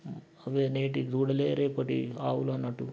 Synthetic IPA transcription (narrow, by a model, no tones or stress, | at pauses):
ɐʋeːneːʈid̪uːɽɐleːɾeːpɐʈḭaːwulɐnːɐʈːu